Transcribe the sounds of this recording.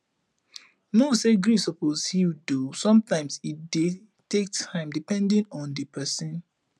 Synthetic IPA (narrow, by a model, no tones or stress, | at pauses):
noseɡɹisɔposhidusɔ̃mtãɪ̃msit̚de | tek̚tʰãɪ̃mdipɛ̃ndĩnɔ̃ndipʰɛsĩn